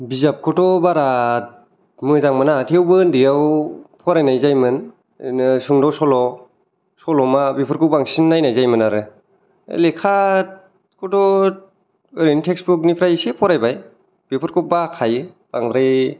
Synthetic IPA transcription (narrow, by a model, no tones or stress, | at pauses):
bizap̚kʰɔtɔbaɾat̚ | mɯzaŋmanatʰewbɯndijawpʰɔɾajnajzajmɯn | suŋdawsɔlɔ | sɔlɔmabipʰɯɾkʰɯwbaŋsinːajnajzajmɯnaɾɯ̰ | lekʰat̚ | kʰɔtɔ | ɯɾenitʰeksbuk̚nipʰɾajsepʰɔɾajbaj | b̥epʰɯɾkʰɯbakʰajɯ | b̥aŋɾaj